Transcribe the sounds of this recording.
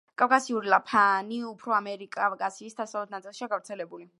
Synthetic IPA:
kʼavkʼasiuɾilˠapʰaniupʰɾɔamɛɾikʼakʼasiːsd̪asavlɛt̪ʰnat̪sʼilˠʃiaɡavɾt̪sʰɛlɛbuli

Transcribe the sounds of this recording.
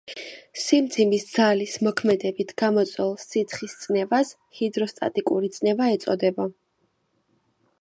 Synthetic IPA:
simd̪zʰimisd̪z̥alismɔkʰmɛd̪ɛbit̪ʰɡ̥amɔt̪sʼwɛlˠsːit̪sʰχist̪sʼnɛvas | hid̪ɾɔst̪ʼa̰t̪ʼikʼuɾit̪sʼnɛvaɛt̪sʼɔ̰d̪ɛbɔ

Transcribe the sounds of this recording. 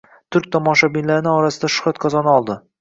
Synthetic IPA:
t̪ʰʊɾk̚ʲt̪ʰɒmɒʃabɪnlaɾɪnɪɒɾasɪd̪aʃʊ̥χat̪kʰɒzɒnɒlˠd̪ɪ

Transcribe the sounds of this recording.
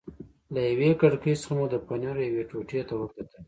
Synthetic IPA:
lajawekaɽkəjsə̥xamud̪əpanaɾjaweʈoʈet̪awəɾt̪at̪əl

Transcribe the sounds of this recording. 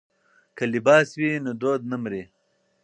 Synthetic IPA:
kəlibɑːswiːnod̪oːd̪̚nɐmɾiː

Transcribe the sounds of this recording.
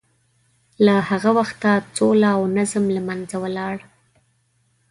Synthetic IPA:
lahaɣawaxt̪at͡solaːwnazmlamanzawəlɑɽ

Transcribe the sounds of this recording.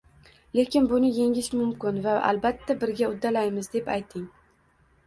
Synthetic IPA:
le̞kʲɪnbʊnɪje̞ŋʲɪʃmʊmkʲɪnvaʔa̰lˠbat̪ʰːabɪɾɡʲaʊd̪ːalajmɪzd̪e̞pajt̪ʰɪŋ

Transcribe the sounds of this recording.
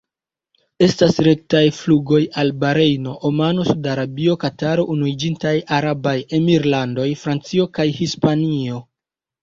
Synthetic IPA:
e̞stasɾe̞k̚tajfluɡo̞jalbaɾe̞jno̞ʔomano̞sudaɾabio̞kataɾo̞ʔunuid͡ʒintajaɾabaje̞miɾlando̞jfɾant͡sio̞kajhispanio̞

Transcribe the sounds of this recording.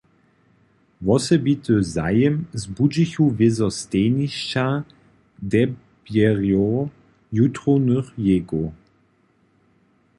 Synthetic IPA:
vɔsɛbit̪ʰəza̰jɛmzbud͡ʒiçuvɪzɔsteːniʃt͡ʃa | dɛ | bjɛʁjo | jutʁonəχjeɡo

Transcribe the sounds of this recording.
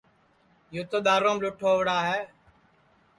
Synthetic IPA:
juːt̪oːd̪aːɾoːmlʊʈʰoːʋɽaːɦɛː

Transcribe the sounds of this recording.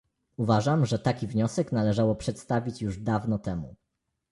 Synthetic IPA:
uvaʐamʐɛt̪akʲivɲɔsɛknalɛʐawɔpʂɛt̪st̪avʲit͡ɕjuʐd̪avnɔt̪ɛmṵ

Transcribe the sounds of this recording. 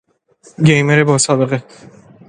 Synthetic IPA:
ɡejmeɾebɒːsɒːbe̞ɣe

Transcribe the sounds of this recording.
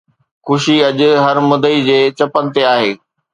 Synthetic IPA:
xʊʃiɐʄʊ̆ɦɐɾmʊd̪id͡ʑeːt͡ɕɐpənɪ̆t̪eaːɦeː

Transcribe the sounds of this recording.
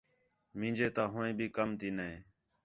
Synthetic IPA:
mĩːd͡ʒeːt̪aːɦʊːẽːbʱiːkəmt̪iːnəẽː

